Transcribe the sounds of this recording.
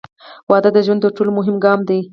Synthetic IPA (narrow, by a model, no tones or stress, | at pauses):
wɑd̪əd̪əʒwanəɾʈolmʊɦɪmɡɑmd̪i